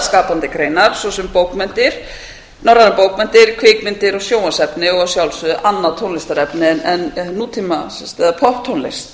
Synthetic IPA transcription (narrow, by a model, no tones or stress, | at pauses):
skaːpant̪ɪkɾejnaɾ̥sɔsɛmpoːwkmɛnt̪ɪɾ̥ | nɔɾanɪpoːwkmɛnt̪ɪɾ̥kʰvɪːkmɪnt̪ɪɾɔɣsjoːwasɛpnɪɔɣsjawlsʏðʏʔanːaðt̪ʰownlɪst̪aɾɛpnɪnɛnːuːt̪ʰiːmasɛst̪ɛðapʰɔht̪ʰːownlɪ̰st̪